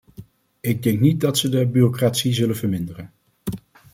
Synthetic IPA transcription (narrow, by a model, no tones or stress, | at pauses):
ɪɡ̚dɛŋknit̚dɑtsədəbyːrokraːtsizɵlənvəɹmɪndərən